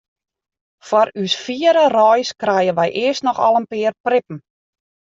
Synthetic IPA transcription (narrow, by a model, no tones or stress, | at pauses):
fɔɾysfiəɾərɔjskrɛjənʋɛjʔɪəstnɔxɔ̰lˠənpɪərprɪpm̩